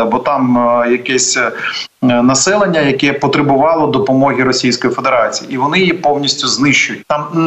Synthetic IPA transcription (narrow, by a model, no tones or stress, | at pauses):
ɐbɔt̪ɑmjɐkɛsʲ | nɐsɛlˠenʲːɐjɐkɛpɔt̪ɾebʊʋɑlˠɔd̪ɔpɔmɔɦʲiɾɔsʲijsʲkɔjifed̪eɾɑt͡sʲijḭiʋɔnɪjipɔwnʲisʲtʲʊznɪʃt͡ʃʊjʊt̚ʲt̪ɑm